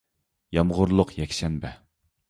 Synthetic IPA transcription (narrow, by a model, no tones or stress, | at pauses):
jɑmʁʊɾlˠʊqjɛkʲʃɛnbɛ